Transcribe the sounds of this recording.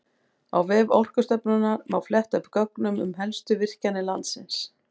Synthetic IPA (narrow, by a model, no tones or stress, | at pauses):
a̰wvɛːvɔ̰wr̥kʏst̪œpnʏnːaɾmawflɛht̪œpkœknʏmʏ̰mɦɛlst̪ʏvɪr̥canːɪlant̪sɪns